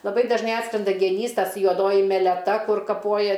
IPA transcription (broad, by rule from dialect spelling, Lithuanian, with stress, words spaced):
lˠɐˈbɐɪ dɐʒˈnɐɪ ˈɑːtskrʲɛndɐ ɡʲɛˈnʲiːs ˈtɐs juɔˈdoːjɪ mʲɛlʲɛˈtɐ ˈkʊr kɐˈpoːjɛ